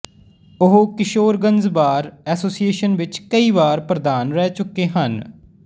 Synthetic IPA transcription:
ʊɦokɪʃoːɾɡənzbaːɾɛːsoːsijeːʃənʋɪt͡ʃkəiːʋaːɾpɾəd̪aːnɾɛːt͡ʃʊkːeːɦən

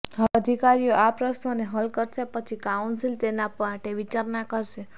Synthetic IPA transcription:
ɦəəd̪ʱikaɾijoʔapɾəʃnoneɦəlkəɾʃepət͡ʃʰikaunsilt̪enapãʈeʋit͡ʃaɾnakəɾʃe

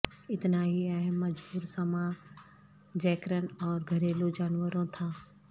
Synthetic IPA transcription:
ɪt̪naɦiɛɦəmːɐd͡ʒbuːɾsɐmã | d͡ʒɛːkɾənɔːɾɡʱɐɾeːlod͡ʒaːnwəɾõt̪ʰaː

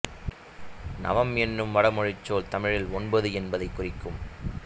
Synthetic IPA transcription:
nɐ̰ʋɐmɛnːɯmʋɐɽɐmɔɻɪt͡ʃːoːlt̪ɐmɪɻɪlɔnbɐðɯɛnbɐðɐɪkːʊrɪkːɯm

